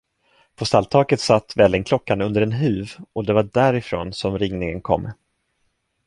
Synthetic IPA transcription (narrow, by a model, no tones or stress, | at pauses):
pʰɔst̪alːt̪ʰɑːkət̪sat̪ːvɛlːɪŋkʰlɔkːanɵnd̪əɾɛnɦʉ̟ːvɔd̪ɛvaɖæːɾɪfɾo̰ːnsɔmɾɪŋnɪŋənkʰɔ̰mː